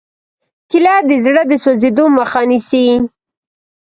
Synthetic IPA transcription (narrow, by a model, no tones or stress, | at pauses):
kɪlɑd̪əzɽəd̪əsozed̪oməxɑnisi